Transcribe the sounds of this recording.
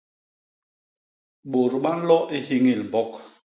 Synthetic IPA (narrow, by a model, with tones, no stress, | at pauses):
ɓo˨ɾɓa˦n̩˦lɔ˦ʔe˦hi˦ŋi˦˨lbɔ˦k